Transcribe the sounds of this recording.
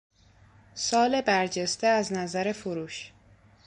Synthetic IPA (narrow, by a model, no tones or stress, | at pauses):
sɒːle̞bæɾd͡ʒest̪eæznæzæɾe̞foɾuːʃ